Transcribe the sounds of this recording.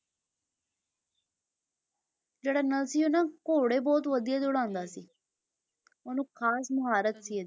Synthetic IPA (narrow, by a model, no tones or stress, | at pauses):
d͡ʒeːɽaːnəlsiːʊnãːkoːɽeːbɔːt̪ʋəd̪ijaːd̪eʊɽãːnd̪aːsiː | onũːkʰaːsməɦaːɾət̪siːɛ